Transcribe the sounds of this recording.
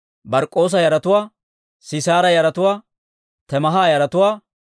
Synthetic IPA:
bɐɾkʼːo̞ːs̬ɐjɐɾɐt̪ʊwaː | sɪsaːɾɐjɐɾɐt̪ʊwaː | t̪ɛmɐɦaːjɐɾɐt̪ʊwaː

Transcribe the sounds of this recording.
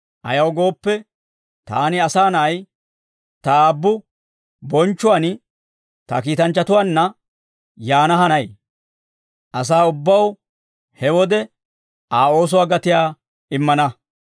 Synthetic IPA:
ʔɐ̰jɐwɡo̞ːpːɛ | t̪a̰ːnɪɐsaːnɐːj | t̪ɐaːbːʊ | bɔnt͡ʃːʊwaːn | t̪ɐkiːt̪ɐnt͡ʃːɐt̪ʊwaːnːɐ | jaːnɐɦɐnɐj | ʔɐs̬aːʊbːɐw | hɛwɔd̪ɛ | aːo̞ːs̬ʊwaːɡɐt̪ɪjaː | ɪmːɐnɐ

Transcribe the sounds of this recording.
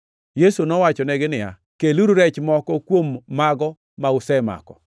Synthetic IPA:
jesunɔwat͡ʃɔnɛɡɪnɪja̰ | keluɾuɾɛt͡ʃmɔkɔkwomːaɡɔ | maʊsɛma̰kɔ̰

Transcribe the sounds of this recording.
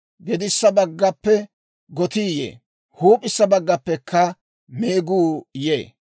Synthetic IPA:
ɡɛd̪ɪsːɐbɐɡːɐpːɛ | ɡɔt̪iːjḛː | huːpʼːɪsːɐbɐɡːɐpːɛkʰːɐ | meːɡuːjeː

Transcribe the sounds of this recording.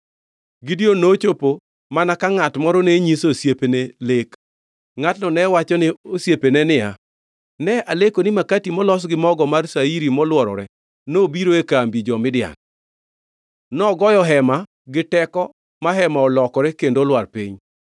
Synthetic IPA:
ɡɪdjonot͡ʃopo | manakaŋatmɔɾɔneɲisosjepenelek | ŋatnɔnɛwat͡ʃɔnɪosjepenɛnɪja | nɛalekonɪmakatimɔlɔs̬ɡɪmɔɡɔmarsaiɾimɔlwɔɾɔ̰ɾɛ | nobiɾoekambid͡ʒɔmɪdɪa̰n | nɔɡɔjɔɦɛma | ɡɪtɛkɔ | maɦɛmaɔlɔkɔɾɛkendolwarpiɲ

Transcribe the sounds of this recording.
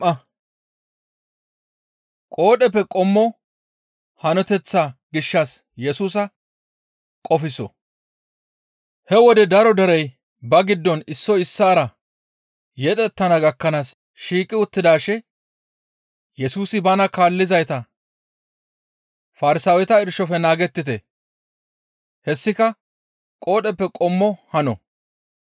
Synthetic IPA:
ɐ | kʼo̞ːɗɛpːɛkʼɔmːɔ | hɐnɔt̪ɛt͡sːaɡɪʃːɐs | jɛsuːs̬ɐ | kʼɔfɪsɔ̰ | hɛwɔd̪ɛd̪ɐɾɔd̪ɐɾɛj | bɐɡɪd̪ːɔnɪsːɔɪsːaːɾɐ | jɛᶑɛt̪ːɐnɐɡɐkːɐnaːs | ʃiːkʼɪʊt̪ːɪd̪aːʃɛ | jɛsuːsɪbɐnɐkaːlːɪzɐjt̪ɐ | fɐɾɪsaːwɛt̪ɐɪɾʃɔfɛnaːɡɛt̪ːɪt̪ɛ | hɛsːɪkɐ | kʼo̞ːɗɛpːɛkʼɔmːɔhɐnɔ̰

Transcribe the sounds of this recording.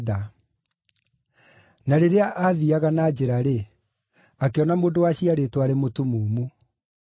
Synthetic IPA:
ða | naɾeɾeaʔaðiaɣanad͡ʑeɾaɾe | akeɔnamoːndowaɕiaɾetwaɾemotumoːmu

